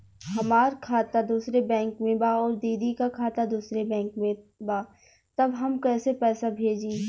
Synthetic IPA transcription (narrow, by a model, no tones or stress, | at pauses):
hɐmaːɾkʰaːt̪ad̪uːsɾebɛ̃ːŋkmẽbaːɔːɾd̪iːd̪ikakʰaːt̪ad̪uːsɾebɛ̃ːŋkmẽbaː | t̪ɐbɦɐmkɛːsepɛːsabʱeːd͡ʒiː